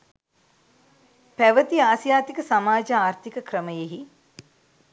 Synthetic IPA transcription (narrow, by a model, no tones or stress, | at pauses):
pæʋət̪iaːsjaːt̪ikəsamaːd͡ʒəaːrt̪ʰikəkɾəməjeɦi